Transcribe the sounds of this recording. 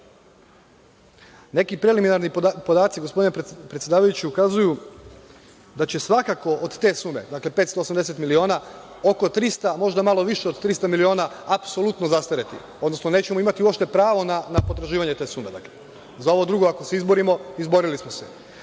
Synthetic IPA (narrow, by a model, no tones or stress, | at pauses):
ne̞kipɾe̞liminaɾnipo̞d̪aːt̪siɡospo̞d̪inepɾet̪sje̞d̪aːʋajut͡ɕiukazuju | d̪at͡ɕe̞sʋakako̞ʔod̪t̪e̞ːsuːme̞̰d̪akle̞pe̞ːt̪st̪o̞ːsamd̪ese̞t̪milio̞ːna | oko̞t̪ɾist̪amo̞ʒd̪amalˠoʋiʃeod̪t̪ɾist̪amilio̞ːnaːpso̞lˠut̪nozast̪aɾet̪ḭ | od̪no̞sno̞ne̞ːt͡ɕe̞moimat̪iuo̞pʃt̪e̞pɾaːʋo̞nanapo̞t̪ɾaʒiːʋaɲe̞t̪e̞ːsuːme̞d̪a̰kle | zao̞ʋo̞d̪ɾuɡo̞ako̞se̞izbo̞ɾimo̞izbo̞ɾilismosḛ